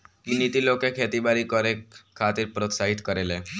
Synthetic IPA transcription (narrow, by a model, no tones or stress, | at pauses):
kinit̪iːlokekʰet̪ibaɾikəɾekʰːat̪iːɾpɾot̪saɦit̪kəɾele